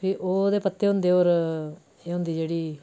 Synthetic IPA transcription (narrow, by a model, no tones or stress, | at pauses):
pʰɪʔoːd̪eːpət̪ːeːɦʊ̃nd̪eːoːɾ | eːɦʊ̃nd̪iːd͡ʒeːɽiː